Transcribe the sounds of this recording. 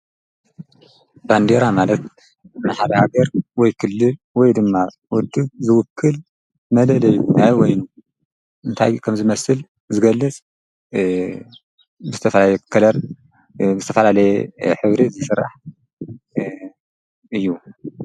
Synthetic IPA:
band̪eɾamalɐt̪ | maħaɾɐhaɡɐɾwɔjkʰɨlːɨ | wɔjd̪ɨmːa | wʊd̪ːɨbzɨwʊkʰːɨl | mɐlɐlɐjːunajwɔjnu | ɨnt̪ʰa̰jkʰɐmzɨmɐsɨl | zɨɡɐlːɨt͡sʼ | bɨzɨt̪ʰɐfɐlaɛkʰɐlɐɾ | bzɨt̪ʰɐfɐlalɐjɛħɨβɾizisɨrːaħ | ʔɨjːu

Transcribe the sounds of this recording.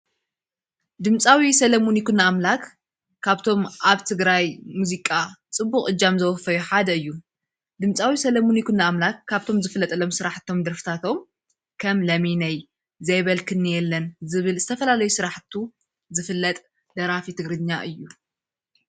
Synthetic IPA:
d̪ɨmt͡sʼawisɐlɐmunikunːaːmlakʰː | aβt̪ʰo̞mʔaβt̪ʰɨɡɾajmuzikʼat͡sʼɨbːuχʼʔɨd͡ʒːamzɐwɔfɐjuħad̪ɐɨjːu | d̪ɨmt͡sʼawisɐlɐmunikʰunːaːmlakːaβt̪ʰo̞mzɨfɨlːɐt̪ʼɨlo̞msɨɾaħt̪ʰo̞md̪ɐɾfɨ̥t̪ʰat̪ʰo̞m | kʰɐmlɐminɐj | zɐjβɐlkʰɨnːɨjɛlːɐnzɨβɨlzɨt̪ʰɐfɐlalɐjusɨɾaħt̪ʰu | zɨfɨlːɐt̪ʼ | d̪̥ɐɾafit̪ʰɨɡɾɨɲːaʔɨjːu

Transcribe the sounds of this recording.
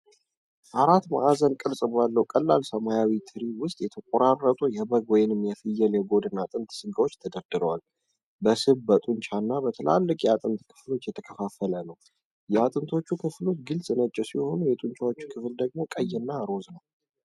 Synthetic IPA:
ʔaɾat̪ma̰ʔazənkʼɨɾsʼbalːəwkʼəlːalsəmajawit̪ʰɨɾiwʊst̪ʼjɛt̪ʰəkʼoɾarːət̪ʼujɛbəɡwɔjɪnɨmːjɛfɨjːɛljɛɡo̞d̪ɨnːat̪ʼɨnt̪sɨɡawo̞t͡ʃːt̪ʰəd̪əɾd̪ɨɾəwal | bəsɨβbət̪ʼuɲt͡ʃʰanːabət̪ʰɨlʔa̰lːɨkʼjɛat̪ʼɨnt̪kʰɨ̥flo̞t͡ʃːjɛt̪ʰəkʰəfafələnəw | jɛat̪ʼɨnt̪ʰo̞t͡ʃːukʰɨflo̞t̪ɡɨlsʼnət͡ʃʼːɛsiho̞nujɛt̪ʼunt͡ʃʰawot͡ʃːu̥kʰɨfld̪əɡmo̞kʼəjːɛnːaɾo̞znəw

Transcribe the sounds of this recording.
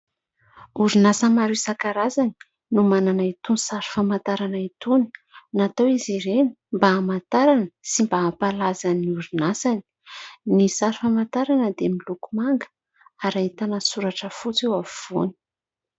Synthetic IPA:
uɾinasəmaɾisakaɾazani̥ | numananait̪unsaɾi̥famant̪aɾanait̪uni̥nat̪awiziɾenimbaːmant̪aɾanəsimbaːpalazaniuɾinasani̥ | nisaɾifamant̪aɾanəd̪emilukumaŋɡə̥ | aɾaɦit̪anəsuɾaʈ͡ʂəfut͡sewaviv̥ṵni̥

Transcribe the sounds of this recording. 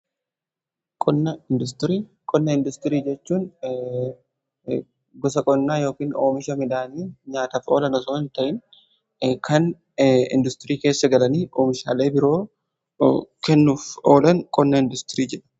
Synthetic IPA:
kʼɔnːɐɪnd̪ʊs̬t̪ɪɾiː | kʼɔnːɐɪnd̪ʊst̪ɪɾiːd͡ʒɛt͡ʃːuːn | ɡɔs̬ɐkʼɔnːaːjo̞ːkiːno̰ːmɪʃɐmɪᶑaːniːɲaːt̪ɐfo̞ːlɐnɔsoːɪnt̪ɐʔɪn | kʰɐn | ɪ̰nd̪ʊst̪ɪɾiːke̞ːsːɐɡɐlɐniːʔoːmɪʃaːle̞ːbɪɾo̞ː | kɛnːuːfoːlɐŋkʼɔnːɐɪnd̪ʊst̪ɪɾiːd͡ʒɛᶑɐ̥

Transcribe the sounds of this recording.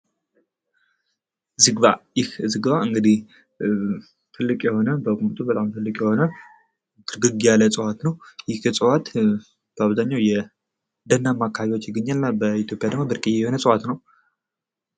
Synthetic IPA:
zɨɡβa̰jɪhzɨɡβaɨŋɡɨd̪ih | t̪ʰɨlːɨkʼjɛho̞nəbəɡʼumt̪ʼubət̪ʼamt̪ʰɨlːɨkʼjɛho̞nə | t̪ʰɨɾɡɨɡijalət͡sʼəwat̪nəwjɪhjɛsʼəwat̪ | b̥əaβzaɲːawjɛ | d̪ənːamːakʰːaβiwo̞t͡ʃːjɪɡːəɲːalnabəit̪ʰjo̞pʼjad̪əɡ̚mobɨɾkʼijɛjɛho̞nəsʼəwat̪nəw

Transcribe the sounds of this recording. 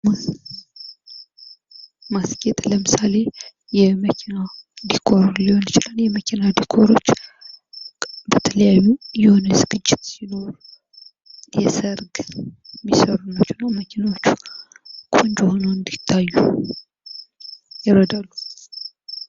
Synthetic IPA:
m | masket̪ʼləmɨsale̞ | jɛməkʰinad̪ikʰo̞ɾliho̞nt͡ʃɪlanjɛməkʰinad̪ikʰo̞ɾo̞t͡ʃː | bət̪ʰələjajːujɛho̞nəzɨɡɨd͡ʒːɪt̪sino̞ɾu | jɛsəɾɡmisəɾunːət͡ʃːunːawməkʰinawot͡ʃːu̥ | kʰʼond͡ʒohonowɨnd̪it̪ʰːajːu | jɪɾəd̪alːu

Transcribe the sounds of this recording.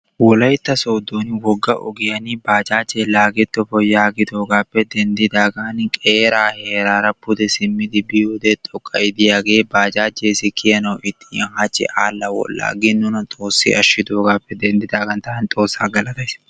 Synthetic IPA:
wɔlɐjt̪ːɐsoːd̪oːnwɔɡːɐʔɔ̰ɡɪjɐnɪbaːd͡ʒaːt͡ʃʼːeːlaːɡɛt̪ːɔfɔjaːɡɪd̪oːɡaːpːɛd̪ɛnd̪ɪd̪aːɡankʼeːɾaːheːɾaːɾɐpʊd̪ɛsɪmːɪd̪ɪbɪjoːd̪ɛt̪ʼɔkʼːɐjɪd̪ɪjaːɡe̞ːbaːd͡ʒaːt͡ʃːeːsɪkʰɪjɐnɐwʔɪt̪ʰːɪhɐt͡ʃːɪ̰ʔaːlːɐwɔ̰lːa̰ːɡɪnːʊnɐt̪ʼo̞ːsːɪ̰ʔɐʃɪd̪oːɡaːpːɛd̪ɛnd̪ɪd̪aːɡɐnt̪ɐnt̪ʼo̞ːsːaːɡɐlɐt̪ɐjs

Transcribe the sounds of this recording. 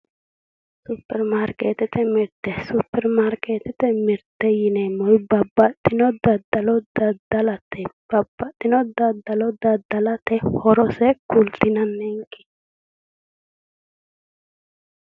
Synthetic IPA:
sʊpːɛɾmaɾket̪ɛt̪ɛmɪɾd̪̥ɛsʊpːɛɾmaɾkeːt̪ɛt̪ɛmɪɾd̪ɛjɪnɛmɔjbɐbɐt̪ːɪnɔd̪ɐd̪ɐlɔd̪ɐd̪ɐlɐt̪ʰːɛb̥ɐbːɐt̪ʼːɪnɔd̪ɐd̪ɐlɔd̪ɐd̪ɐlɐt̪ɛhɔɾɔsɛkʰʊlt̪ɪnɐnːɛŋkːɪ̥

